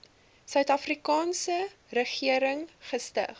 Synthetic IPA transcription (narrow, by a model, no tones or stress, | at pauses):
sœɥtɐfrikɑːnsə | rəχiəɾəŋχəstə̰χ